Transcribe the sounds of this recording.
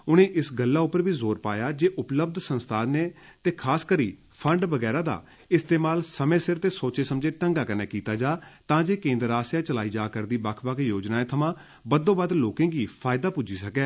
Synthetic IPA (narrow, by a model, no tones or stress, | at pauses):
ʊnẽːʔɪsɡəlːaːʊpːəɾʋiːzoːɾpa̰ːjaːd͡ʒeːʔʊpləbd̪sənst̪ʰaːneːt̪eːkʰaːskəɾiː | pʰəɳɖʋəɡɛːɾaːd̪a̰ː | ɪst̪eːmaːlsəmẽːsɪɾt̪eːsoːt͡ʃeːsəmd͡ʒeːʈəŋɡaːkəneːkiːt̪aːd͡ʒaːt̪ãːd͡ʒeːkẽːnd̪əɾaːsjãːt͡ʃəlaːiːd͡ʒaːkəɾd̪iːbəkʰbəkʰjoːd͡ʒnaːeːt̪ʰəmãː | bəd̪õːbəd̪loːkẽːɡiːpʰaːɪd̪aːpud͡ʒiːsəkɛː